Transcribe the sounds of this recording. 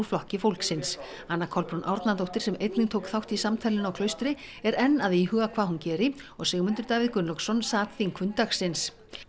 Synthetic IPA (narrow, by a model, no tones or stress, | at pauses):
flɔhcɪfowlksɪns | anːakʰɔlphunʔawɾt̪nant̪owht̪ɪɾ̥sɛmejt̪nɪŋt̪ʰowkθawht̪isamt̪ʰajlɪnawkʰlœːɥst̪ɾɪ | ɛɾɛnːaðihœːɣakʰv̥aːðhuncɛːɾɪɔɣsɛːɣmʏnt̪ʏɾt̪aːvɪðkʏnlɔksɔnsaːt̪fiŋkʰvʏnt̪axsɪns